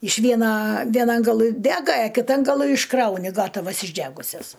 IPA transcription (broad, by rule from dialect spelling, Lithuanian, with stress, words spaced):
ɪʃ ˈʋʲiɛnɐ ˈʋʲiɛnɐn ɡɐˈlˠɨ ˈdʲæːɡɐ ɐ kʲɪˈtɐn ɡɐˈlˠɨ ɪʃˈkrɐʊnʲɪ ˈɡɑːtɐʋɐs ɪʒʲˈdʲæɡʊsʲɛs